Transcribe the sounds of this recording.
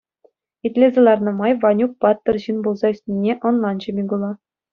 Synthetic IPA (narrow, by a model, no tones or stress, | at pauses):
it̪ʲlʲezʲĕlˠɑrnɤ̆mɑjʋɑnʲuk̚pɑt̪ːɤ̆rʑinbulˠzɑysʲnʲenʲːeʔŏnlˠɑnd͡ʑɘ̆mʲiɡulˠɑ